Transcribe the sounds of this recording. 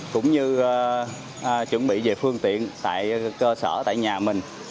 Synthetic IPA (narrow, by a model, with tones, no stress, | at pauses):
kʊ̰˧˥wŋ͡mɲɨ˧˨ | t͡ɕwə˧˩nɓḭ˧˨ve˨˩fɨ˧əŋt̪ḭ˧˨ənt̪a̰ː˧˨jkəː˧səː˧˩t̪a̰ː˧˨jɲaː˨˩mï˨˩ŋ̟